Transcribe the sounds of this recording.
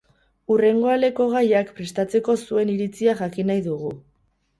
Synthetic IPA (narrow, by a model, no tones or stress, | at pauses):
ure̞ŋɡo̞ale̞ko̞ɣ̞ajakpɾe̞st̪at͡se̞ko̞sue̞niɾit͡siaxakinajðuɣu